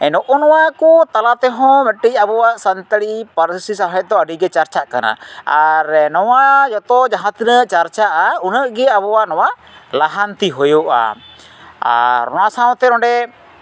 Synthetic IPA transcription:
ɛnɔʔɔnɔwakut̪alat̪ɛɦɔ̃mɛʈic̚abɔwaʔsant̪əɽipəɾsisaɦajd̪ɔəɖiɡɛt͡ʃaɾt͡ʃaʔkana̰aɾnɔwad͡ʒɔt̪ɔd͡ʒaɦãt̪inəʔt͡ʃaɾt͡ʃaʔaunəʔɡɛabɔwaʔnɔwaʔ | laɦant̪iɦojuʔa̰ | a̰ɾɔnasaw̃t̪ɛɾɔ̃ɖɛ

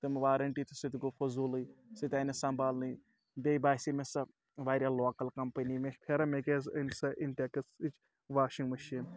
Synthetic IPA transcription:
t̪ɨmʋaːɾɐɳʈit̪ʰi̥sit̪iɡofʰɐzulɨsit̪ʲaːnɐsɐmbaːlnɨ | bejbaːsimesɐ | ʋaːɾʲjaloːkɐlkɐmpɐnimeʃpʰeɾɐmekeznsɐʔint̪ʲekɨsit͡ʃ | ʋaːʃiŋɡmɐʃin

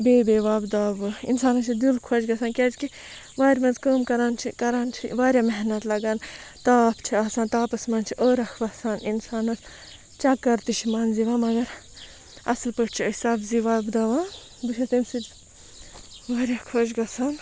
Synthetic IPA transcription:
beːbeːʋaːbd̪aːʋɨḭnsaːnɐt͡ʃʰid̪ilkʰod͡ʒɡɐsʰaːnkʲɛd͡ʒki | ʋaːɾʲmɐnzkəːmkɐɾaːnt͡ʃʰikɐɾaːnt͡ʃʰḭʋaːɾʲjamɛɦnɐt̪lɐɡaːnt̪aːpʰt͡ʃʰiaːsaːnt̪aːpɐsmɐːnt͡ʃʰiʔoːɾɐkʰʋɐsaːninsaːnɐs | t͡ʃɐkːɐɾt̪iʃʰmɐnziʋãːmɐɡɐɾ | ɐ̰slpəʈt͡ʃʰiəsɐːbziʋaːbd̪aːʋãː | d̪uʃʰɐt̪imsɨd͡ʒ | ʋaːɾʲjakʰod͡ʒɡɐsaːn

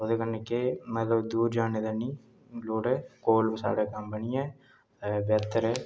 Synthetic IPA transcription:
oːd̪eːkənːeːkemət̪ləbd̪uːɾd͡ʒaːneːd̪aːnĩː | loːɽɛːkoːlbsa̰ːɽeːkəmbəɳijɛ̃ː | bɛːt̪ːəɾɛː

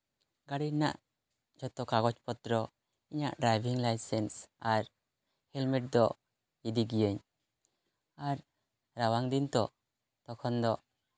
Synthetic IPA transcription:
ɡaɽina̰ʔ | d͡ʒɔt̪ɔkaɡɔt͡ʃpɔt̪ɾɔ | iɲa̰ʔɖɾajbʱiŋlajsɛnsaɾ | hɛlmiʈ̚d̪ɔʔ | id̪iɡijəɲ | aɾ | ɾawaŋd̪int̪ɔ | t̪ɔkʰɔnd̪ɔʔ

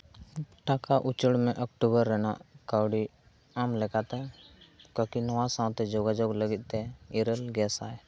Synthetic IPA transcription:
ʈakaʔut͡ʃəɽmɛʔɔkʈubəɾːɛna̰ʔkawɽi | amlɛkat̪ɛ | kəkinɔwasaw̃t̪ɛd͡ʒɔɡad͡ʒoɡləɡit̪̚ˀt̪ɛiɾəlɡɛsajɛ

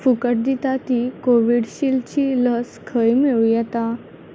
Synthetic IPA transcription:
fukəʈ̚d̪it̪at̪ikoʋiɽɕilt͡ɕiːləskʰəjmeɭujɛt̪a

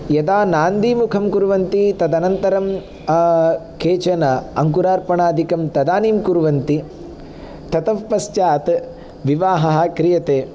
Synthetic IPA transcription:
jɐd̪aːnaːnd̪imukʰɐmkuɾuʋɐnt̪it̪ɐd̪ɐnɐnt̪ɐɾɐm | kʰeːt͡ʃɐnɐɐŋkuɾaːɾpɐɳaːd̪ʱikɐmt̪ɐd̪aːniːmkuɾuʋɐnt̪i | t̪ʰɐt̪ɐʋpɐst͡ʃaːt̪ | ʋiʋaːɦɐɦɐ̆kɾijɐt̪eː

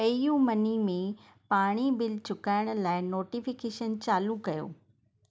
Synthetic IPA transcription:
ɐijũmɐnimẽ | paːɽ̃ibɪlt͡ɕʊkaːɪɽ̃̆laːɪnoːʈifɪkeːʃənt͡ɕaːlukɐjo̰ː

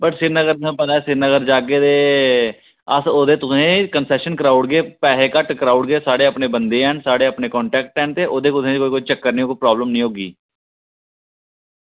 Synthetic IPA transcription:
bəʈsɪɾnəɡəɾt̪ẽːpət̪aɛːsɪɾnəɡəɾd͡ʒaːɡeːd̪eː | əsoːd̪eːt̪ʊsẽːkənsɛːʃənkəɾaːʊɽɡeːpɛːɦeːkəʈkəɾaːʊɽɡeːsaːɽeːəpneːbənd̪eːɛːnsaːɽeːəpneːkɔ̃ːɳʈɛːk̚ʈɛːnt̪eːʔoːd̪eːkʊt̪ẽːkoːikot͡ʃəkːəɾnĩokopɾɔːbləmnĩːɦoːɡḭː

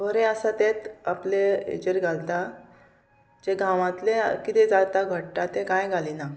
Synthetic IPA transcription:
bəɾeəsat̪et̪apleḛd͡ʑəɾɡʱalt̪a | d͡ʑeɡãʋãt̪lekit̪ɛd͡zat̪aɡʱəɽʈat̪ekãjɡʱalina

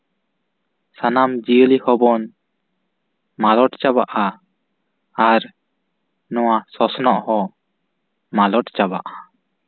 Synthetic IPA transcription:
sanamd͡ʒiəlihɔbɔn | malɔʈt͡ʃabaʔa | ɾ | nɔwasɔsɔnɔʔhɔ | malɔʈt͡ʃaba̰ʔa

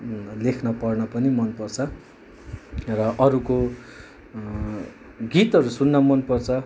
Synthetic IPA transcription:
lekʰnʌpʌrnʌpʌnimʌnpʌrt͡sʰʌ | rʌʔʌɾuko | ɡit̪ʌɾusunːʌmʌnpʌrt͡sʰʌ

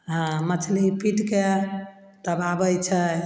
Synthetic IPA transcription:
ɦãmət͡ʃʰlipiʈke | t̪əbabəjt͡ʃʰə

